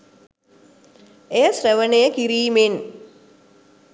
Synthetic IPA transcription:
ejəsrəʋənejəkiɾiːmen

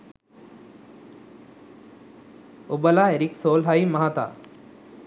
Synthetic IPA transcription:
ubəlaːeɾiksoːlɦaimɐɦat̪a̰ː

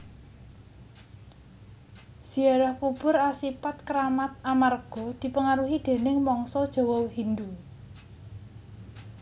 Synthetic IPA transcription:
z̥iaɾahkub̥ʊ̤ɾasipat̪̚kɾamat̪̚amarɡ̥ɔ̤d̪̥i̤pəŋaɾuɦid̪̥e̤nɪŋmɔŋsɔd̥ʒ̥ɔ̤wɔwhind̪u

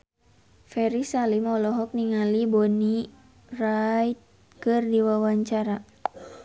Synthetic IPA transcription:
fɛɾisalimɔlɔɦɔk̚niŋalibɔni | rait̪̚ | kɨrdiwawaɲt͡ʃaɾa

